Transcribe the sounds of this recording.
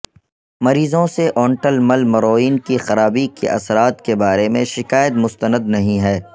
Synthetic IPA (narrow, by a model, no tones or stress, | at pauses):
mɐɾiːzõseʔɔːɳʈəlmɐlmɐɾoːiːnkixɐɾaːbikḭʔɐ̰sɾaːt̪kebaːɾemẽʃɪkaːjət̪̚mʊst̪ənəd̪nɐɦĩɦɛː